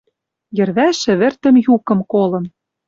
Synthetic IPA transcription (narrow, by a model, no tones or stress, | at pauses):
jɘ̆ɾβæʃɘ̆βɘ̆rt̪ɘ̆mjukɤ̆mkolɤ̆n